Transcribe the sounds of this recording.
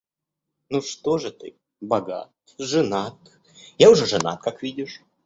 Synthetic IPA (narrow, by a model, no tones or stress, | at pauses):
nuʂt̪oʐɨt̪ɨ̰ | bɐɡa̰t̪ | ʐɨnat̪ | jaʊʐɛʐɨna̰t̪̚kakvʲidʲɪʂ